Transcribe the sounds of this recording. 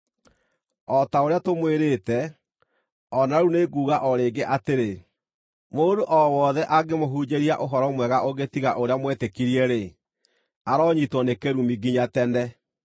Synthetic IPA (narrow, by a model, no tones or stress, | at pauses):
ɔtaoɾeatomweɾeːtɛ | ɔnaɾuneɡuːɣaʔɔɾeːɡeʔateɾe | moːdoʔɔwɔðɛʔaɡemoɦud͡ʑeɾiaʔoɦɔɾɔmwɛɣaʔoɣetiɣaʔoɾeamwɛtekiɾiɛɾe | aɾɔɲitwɔnekeɾumiɡiɲatɛndɛ